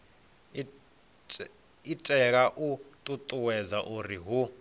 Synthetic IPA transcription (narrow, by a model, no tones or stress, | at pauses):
itʼɛk̬aʔut̪ʼut̪ʼuwɛzaʔuriɦu